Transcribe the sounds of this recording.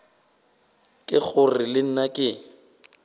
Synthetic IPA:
kʼɪk͡xʰʊrɪlɪn̩nakʼɪ

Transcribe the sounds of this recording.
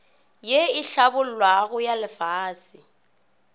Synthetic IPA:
jeɪɬabʊl̩lwaɣʊjalɪfaːsɪ

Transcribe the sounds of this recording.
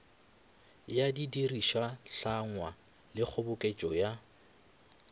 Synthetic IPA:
jadidiriʃaɬaŋwa | lɪk͡xʰʊbʊkʼet͡ʃʼɔja

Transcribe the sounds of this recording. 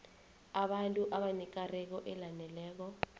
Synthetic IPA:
aɓantʼuʔaɓanɛk̬arɛk̬ɔʔɛlanɛlɛːk̬ɔ

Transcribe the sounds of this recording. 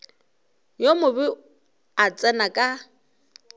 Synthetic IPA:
jomʊbɪ | at͡sʼɛnakʼa

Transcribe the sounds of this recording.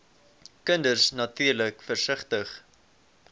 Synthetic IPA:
kəndərsnɐtyːrləkfərsəχtəχ

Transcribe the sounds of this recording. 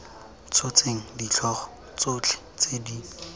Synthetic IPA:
t͡sʰot͡seŋ̩dit͡ɬʰɔːχɔ̥ | t͡sot͡ɬʰɛ̥ | t͡sedi

